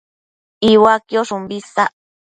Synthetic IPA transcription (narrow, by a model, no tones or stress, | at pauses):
iwakjoʂumbisaʔ